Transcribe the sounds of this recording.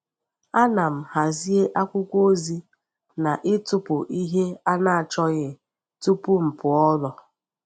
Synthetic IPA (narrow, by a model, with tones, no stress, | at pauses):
a˦na˨m̩˨ha˨zi˦e˦ʔa˦kʷʊ˦kʷo˦zi˦ | na˨ʔɪ˦tʊ˦pʊ˨ʔi˦ɦe˦a˦na˨a˨t͡ʃɔ˦ɣɪ˨ | tu˦pʊ˦m̩˨pʊ˨ɔ˦lɔ˨